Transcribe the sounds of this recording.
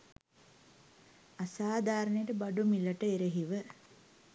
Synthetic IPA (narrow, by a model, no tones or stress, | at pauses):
asaːd̪aːɾənəjəʈəbaɖumiləʈəeɾeɦiʋə